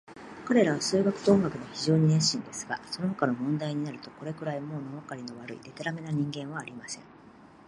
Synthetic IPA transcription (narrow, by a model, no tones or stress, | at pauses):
kaɾe̞ɾaβ̞asɨːɡakɯ̟̥d̪o̞ːŋɡakɯ̟noçiʑo̞ːɲ̟inẽ̞ɰɕĩnd̪e̞sɨ̥ɡa̰so̞no̞hokano̞mõ̞nd̪aiɲ̟inaɾɯ̟t̪o̞ko̞ɾe̞kɯ̟ɾaimo̞ːnoβakaɾʲino̞β̞aɾɯ̟ḭd̪e̞t̪eɾame̞naɲ̟ĩŋɡẽ̞ɰ̃β̞aːɾʲimasẽ̞ŋ